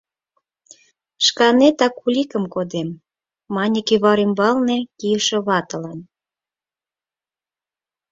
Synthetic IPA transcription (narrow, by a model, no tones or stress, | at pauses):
ʃkɑnet̪ɑkulʲikə̆mkod̪emː | ɑnʲikeβɑɾimbɑlnekijəʃĕβɑt̪ə̆lɑn